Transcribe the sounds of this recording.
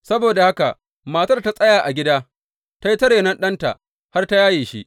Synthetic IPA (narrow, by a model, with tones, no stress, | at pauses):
sɐ˦boː˨da˨ha˦ka˨ | maː˨ta˦rta˦˨sʼɐ˦jaː˨ʔa˨ɡʲɪ˦daː˦ | ta˦ji˦tɐ˦ɽeː˨nɐ˦nɗɐ˦nta̰˨ʔ | ha˦rta˦jaː˦jiː˨ʃi˦ʔ